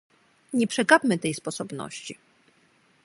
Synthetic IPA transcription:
ɲɛpʂɛɡapmɘt̪ɛjspɔsɔbnɔ̰ɕt͡ɕi

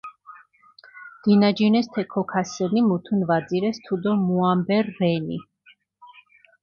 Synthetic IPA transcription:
d̪̥inad͡ʒinɛst̪ʰɛkʰɔkʰasɛnimut̪ʰunvad̪ziɾɛst̪ʰud̪ɔmuambɛɾːɛnḭ

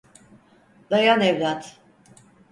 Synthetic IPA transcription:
d̪ajanɛvlat̪

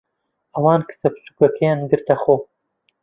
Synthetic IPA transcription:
ʔɐwɑːnkʰɨ̥sɐbsu̥ɡɐkʰejɑːnɡɨɾt̪ɐxoː

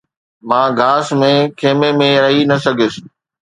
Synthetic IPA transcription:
mãːɡʱaːsmẽkʰeːmẽmẽɾɐɦinɐsɐɡʱɪs

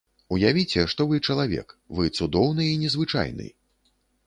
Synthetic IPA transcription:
ujavʲit͡sʲɛʂt̪ɔvɨt͡ʂɐlˠavʲɛ̰kvɨt̪sud̪ɔwnɨːnʲɛzvɨt͡ʂa̰jnɨ̰j

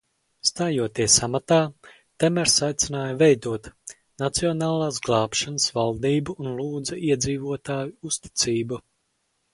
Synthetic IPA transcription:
st̪aːjuɔt̪iɛsamat̪aː | t̪ɛmɛɾsajt̪sinaːjvɛjd̪uɔt̪ | nat̪siɔnaːlˠaːsɡlˠɑːpʃanəsvalˠd̪iːbuːnlˠuːd̪zɐiɛd̪ziːvuɔt̪aːjuust̪i̥t̪siːbu

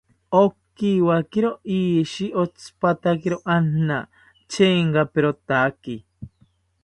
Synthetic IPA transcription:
okːiwakeɾoʔiʃiʔot͡sʰpat̪akeɾoʔanna̰ | t͡ʃʰeːŋkapeɾot̪aki

